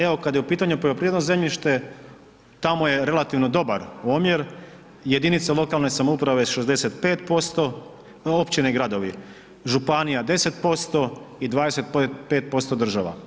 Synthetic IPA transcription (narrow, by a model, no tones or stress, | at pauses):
eo̞kad̪jeupiːt̪aɲupolopɾied̪noze̞mʎʲiʃt̪e̞ | t̪amoje̞ɾe̞lat̪iʋno̞d̪o̞baɾomjeɾ | je̞d̪init̪salˠo̞kalne̞samoupɾaʋeʃezd̪e̞se̞t̪pe̞ːt̪po̞st̪o̞ | opt͡ɕineɡɾad̪o̞ʋi | ʒupanijad̪e̞se̞t̪po̞st̪o̞id̪ʋaːd̪e̞se̞t̪̚ppeːt̪̚po̞st̪o̞d̪r̩ʒaʋa̰